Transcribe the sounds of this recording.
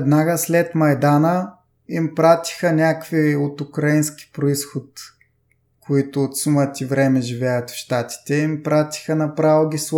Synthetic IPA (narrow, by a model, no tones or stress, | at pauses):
d̪naɡəslɛt̪mɐjd̪anə | impɾat̪i̥xənʲakviot̪ukɾɐinski̥pɾoisxʊt̪ | kʰoit̪ʊːt̪sumət̪ivɾɛmɛʒivʲɛjət̪fʃt̪at̪i̥t̪ɛimpɾat̪i̥xənɐpɾavoɡʲis